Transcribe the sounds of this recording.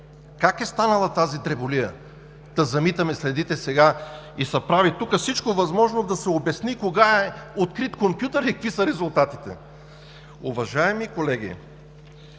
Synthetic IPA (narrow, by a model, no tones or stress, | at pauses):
kakɛst̪anɐlˠɐt̪azit̪ɾɛbolijə | d̪̥ɐzɐmit̪ɐmɛslɛd̪it̪ɛsɛɡaisɐpɾavit̪ukəfsit͡ʃkovɐzmɔʒnod̪ɐsɛobɛsnikoɡaɛot̪kɾit̪kompʲjut̪əɾikkvisɐɾɛzʊlˠt̪at̪it̪ɛ̰ | ʊvɐʒaɛmikolɛɡḭ